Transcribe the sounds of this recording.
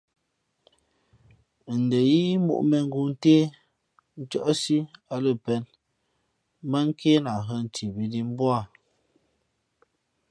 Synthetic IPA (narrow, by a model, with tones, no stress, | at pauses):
n̩˨də˨ji˦mṵ˦˨ʔmɛ˨ŋ̩˦ɡu˨n̩˦teː˦ | n̩˦t͡ʃɔ˦˨ʔsi˦a˨lə˦˨pɛ˨˦n | mə˦ŋ̩˦kʰe˦na˨ɦə˦n̩˨ti˨bi˨˦di˦m˦bwa˦˨